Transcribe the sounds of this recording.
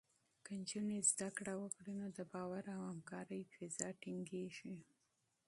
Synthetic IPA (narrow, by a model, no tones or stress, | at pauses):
kənt͡ʃunezd̪akɽawəkɽinod̪əbɑwaɾawhamkɑɾəjfɪzɑʈɪŋɡeʒi